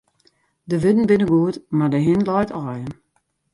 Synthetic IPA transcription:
dəʋɪdn̩bɪnəɡuətmadəɦɪnlɔjtʰɔːjən

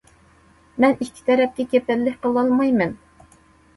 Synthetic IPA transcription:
mɛnikʲʰːi̥t̪ʰɛɾɛp̚t̪ʲɛkʲepʰɛllːɪkʲqʰəlˠɑlˠmɑjmɛn

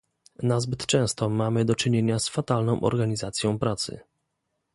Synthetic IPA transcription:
nazbɘt̪t͡ʂɛ̃w̃st̪ɔmamɘd̪ɔt͡ʂɘɲeɲasfat̪alnɔ̃w̃ʔɔ̰ɾɡaɲizat̪sʲjɔ̃w̃pɾat̪sɘ̰

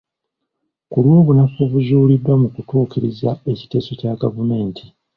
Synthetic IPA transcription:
kulwo̞ːβunafoβuʒuːlidwamukutuːkiɾizae̞ci̥te̞ːso̞caɡavume̞ːntʰi

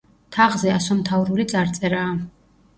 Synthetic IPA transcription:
t̪ʰaʁzɛasɔmt̪ʰavɾulit̪sʼaɾt̪sʼɛɾaː

